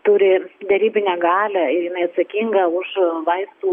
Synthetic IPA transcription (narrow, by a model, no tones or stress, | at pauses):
t̪ʊɾʲɪd̪ʲɛɾʲiːbʲɪnʲɛɡɑːlʲæɪɾjɪnɐɪɐt̪sɐkʲiŋɡɐʊʃʋɐɪst̪uː